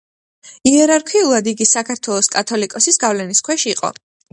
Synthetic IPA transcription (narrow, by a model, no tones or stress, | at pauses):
iɛɾaɾkʰiulˠad̪iɡisakʰaɾt̪ʰwɛlˠɔskʼat̪ʰɔlikʼɔsisɡavlɛniskʰwɛʃiːqʼɔ̰